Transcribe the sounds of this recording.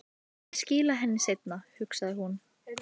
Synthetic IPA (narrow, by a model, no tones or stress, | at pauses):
sciːlaɦɛnːɪsejt̪nahʏksaðɪhun